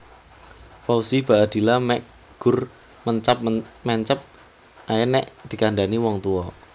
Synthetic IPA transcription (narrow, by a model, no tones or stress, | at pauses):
fausib̥a̤ʔad̪̥i̤lamɛk | ɡ̥ʊr | məɲt͡ʃap̚mɛɲt͡ʃəp̚ | ʔajɛnɛʔd̪̥i̤kanɖaniwɔŋt̪uɔ